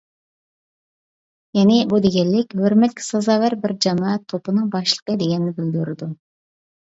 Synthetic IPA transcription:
jɛnɪbud̪eɡʲɛlːɪkʲhøɾmɛt̪̚kʲʰi̥sɑzɑvæɾbɪɾd͡ʒɑmɑt̪ʰːopɨnɨŋbɑʃlˠə̥qəd̪eɡʲɛnɪnɪbɪld̪yɾɪd̪u

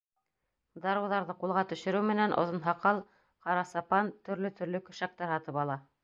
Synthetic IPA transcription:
d̪ɑɾuðɑɾðɤqulˠʁɑt̪ɵ̆ʃɘ̆ɾɘwmɘ̆nænʔŏ̰ðɤ̆nɦɑqɑlˠ | qɑɾɑsɑpɑnt̪ɵ̆ɾlɵt̪ʰɵ̆ɾlɵkɵ̆ʃæk̚t̪ɑɾhɑt̪ɤpɑlˠɑ

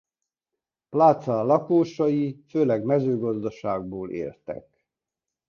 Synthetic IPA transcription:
plaːt̪sɑlɒkoːʃɒjiføːlɛɡmɛzøːɡɒzd̪ɒʃaːɡ̚boːlʔḛːlt̪ɛ̰k

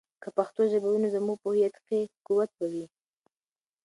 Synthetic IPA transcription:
kəpaxt̪oʒabawunozəmuɡ̚pohijat̪kekuwat̪̚bawi

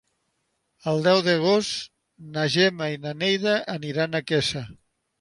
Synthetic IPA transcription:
əlˠd̪ɛwðəɣ̞ost̪ | naʒɛmainanejðaʔːniɾanakɛsa

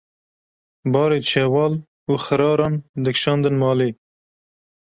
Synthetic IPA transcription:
bɑːɾeːt͡ʃʰewɑːl | uxɐɾɑːɾɑːnd̪ɨkʃɑːnd̪ənmɑːleː

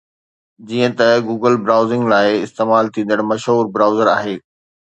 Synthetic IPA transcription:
d͡ʑiːə̃t̪ɐɡuːɡəlbɾaːʊzɪ̃ŋɡlaːɪɪst̪eːmaːlt̪ʰĩːn̆d̪əɽ̃mɐʃɦuːɾbɾaːʊzəɾaːɦeː

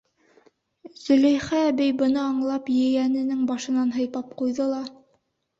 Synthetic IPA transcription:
z̥ɵ̆læjχæbɘjbɤ̆nɤɑɴlˠɑpjɘ̆jænɘ̆nɘŋbɑʃɤ̆nɑnɦɤ̆jp̪ɑp̚qujðɤlˠɑ

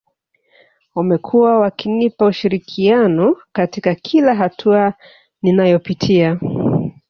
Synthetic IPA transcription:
wamɛkʰuwawakinipauʃiɾikʰianɔkatikakʰilaɦatʰua | ninajɔpitʰia

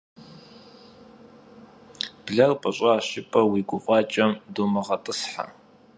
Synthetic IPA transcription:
b̥ɮɐrpʼɐɕʼɑːɕɪpʰʼɐwiːɡʷʊfʼɑːt͡ʃʼɐmdumɨʁɐtʼɨsħa̰

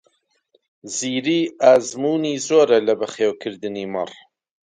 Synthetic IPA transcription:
ziːɾiːaːzmuːniːzoːɾɐlɐbɐχeːwkʰɨɾd̪ɨniːmɨ̰r

